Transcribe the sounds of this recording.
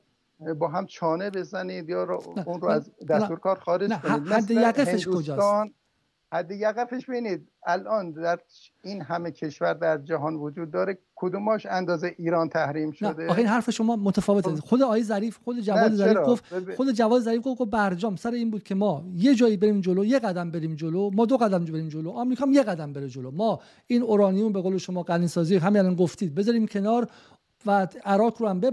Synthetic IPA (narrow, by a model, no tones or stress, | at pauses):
bɒːɦæmt͡ʃʰɒːnebe̞zænid̪jɒːnæunɾoæzd̪æst̪uːɾkʰɒːɾxɒːɾed͡ʒnoæid̪hæd̪ːejæɡefeʃkkʰod͡ʒɒːsn | hæd̪ːejæɣefeʃbeiːniːd̪̚ | ælʔɒːnd̪æɾ | inhæmekʰe̞ʃvæɾd̪æɾd͡ʒæɦɒːnvod͡ʒuːd̪ːɒːɾekʰod̪umɒːʃænd̪ɒːzeʔiːɾɒːnt̪ʰæhɾiːmʃnæd̪eɒːeinɦæɾfeʃo̞mɒːmot̪ʰæfɒːveexod̪eɒːjezæɾiːfxod̪ed͡ʒævɒːd̪ezæɾifɡoft̪xod̪ed͡ʒævɒːd̪ezæɾifɡofɡofbæɾd͡ʒɒːmsæɾeiːnbuːd̪̥̚kcʰe̞mɒːjed͡ʒɒːjibeɾiːmd͡ʒoloje̞ɣæd̪æmbe̞ɾiːmd͡ʒolomɒːd̪oɣæd̪æmbe̞ɾiːmd͡ʒoloʔɒmɾiːkʰɒːmje̞ɣæd̪æmbe̞ɾed͡ʒolomɒː | iːnoɾɒːnijumbeɣoːleʃomɒːɡæniːsɒːziːɦæminælɒːnɡoft̪iːd̪̚bezɒːɾiːmcʰe̞nɒːɾ | vææɾɒːkʰɾoæmbe